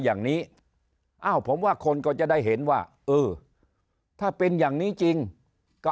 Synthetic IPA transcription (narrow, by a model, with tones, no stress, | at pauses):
jaː˨˩ŋniː˦˥ | ʔa˧˩wpʰo˩˦mwaː˥˩kʰo˧nkɔː˥˩t͡ɕa˨˩da˥˩jɦe˩˦nwaː˥˩ | ʔɯː˧˩ | t̪ʰaː˥˩pe˧njaː˨˩ŋniː˦˥t͡ɕi˧ŋ | kɔ˥˧˩